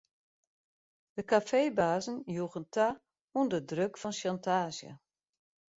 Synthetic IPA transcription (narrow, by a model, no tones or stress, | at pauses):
d̥əkafeːbaːzən̩juɣəntʰa | undədrøkfɔnʃantʰaːsjə̰